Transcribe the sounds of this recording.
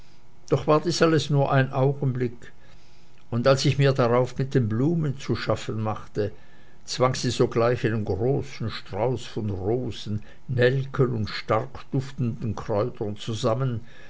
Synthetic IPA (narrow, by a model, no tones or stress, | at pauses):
d̥ɔχv̥aːɐdiːsaləsnuːɐʔaɪnʔaʊɡən̩blɪk | ʊndalsɪçmiːɐdaʁaʊfmɪt̚d̥eːnbluːmənt͡suʃafənmaχtə | t͡sv̥aŋz̥iːzoːɡlaɪçaɪnənɡʁoːsn̩ʃtʁ̥aʊsfɔnʁoːsn̩ | nɛlkʰənʊntʃtaʁkd̥ʊftn̩dn̩kʁ̥ɔʏtɐnt͡suzamən